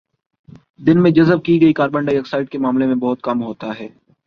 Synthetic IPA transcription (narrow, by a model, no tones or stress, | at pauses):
d̪ɪnmẽd͡ʒɐzəb̚kiɡɐikaːɾbə̃ɳɖaːijəksaːɪɖ̚kemaːmlemẽbɔɦʊt̪̚kɐmɦoːt̪aɦɛː